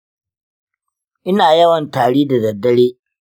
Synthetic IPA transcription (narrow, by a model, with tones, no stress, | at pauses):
ʔɪ˦naː˨jɐ˦wɐ˨ntaː˨ɽiː˦da˨dɐ˨dːɐ˦ɽeː˦